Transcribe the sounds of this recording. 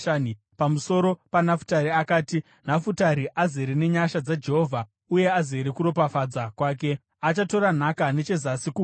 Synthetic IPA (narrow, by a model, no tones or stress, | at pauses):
ani | pamuso̞ɾo̞panafu̥taɾiakaːti | nafutaɾiʔazeɾine̞ɲaʃad͡zad͡ʒe̞ɦo̞vʱa | uje̞azeɾikuɾo̞pafaːd͡zakwaːk̬e̞ | at͡ʃato̞ɾan̤akane̞t͡ʃe̞zasiku